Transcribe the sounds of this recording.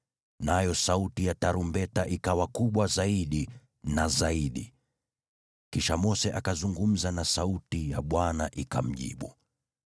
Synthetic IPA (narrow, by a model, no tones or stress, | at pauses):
najɔsautijataɾumbɛtaʔikawakuɓwazaiɗi | nazaiɗḭ | kiʃamɔsɛʔakazuŋɡum̩zanasautijaɓwanaʔikam̩ʄḭɓu